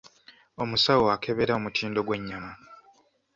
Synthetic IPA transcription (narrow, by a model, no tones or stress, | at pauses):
o̞musawoakʰe̞βe̞ɾaomutʰiːndo̞ɡwe̞ɲːama